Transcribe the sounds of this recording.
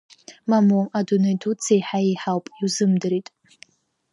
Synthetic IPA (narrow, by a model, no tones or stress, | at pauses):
mamoadunejdʰut͡sʰejħaiħawpʼiwzɨmdɨɾitʼ